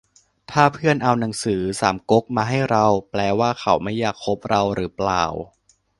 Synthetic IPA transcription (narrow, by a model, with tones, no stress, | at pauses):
t̪ʰaː˥˩pʰɯ˥˩ənʔa˧wna˩˦ŋsɯː˩˦saː˩˦mko˦˥k̚maː˧ɦa˥˩jɾa˧wplɛː˧waː˥˩kʰa˩˦wma˥˩jːaː˨˩k̚ʰːo˦˥p̚ɾa˧wɾɯː˩˦pla̰ː˨˩w